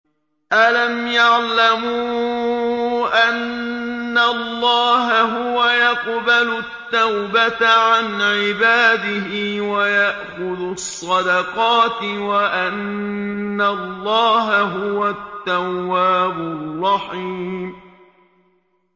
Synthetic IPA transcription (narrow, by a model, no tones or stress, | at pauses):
ʔalamjaʕlamuː | ʔanː | alˤːɑːɦaɦʊwajɑqbalʊt̪ːawbat̪ʕanʕɪbaːd̪ɪɦɪwajaʔxʊðʊsˤːɑd̪ɑqɑːt̪ɪwaʔanː | alːɑːɦaɦʊwat̪ːawːaːbʊrˤːɑħiːm